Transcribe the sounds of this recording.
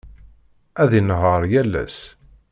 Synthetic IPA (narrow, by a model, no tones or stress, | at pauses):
æðinʁəɾˤjælːæ̰s